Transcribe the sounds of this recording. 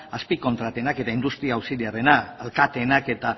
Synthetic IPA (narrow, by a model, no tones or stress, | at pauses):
aspiko̞nt̪ɾat̪e̞nake̞t̪aind̪ust̪ɾiaːwsiliare̞naːlkat̪e̞nake̞t̪a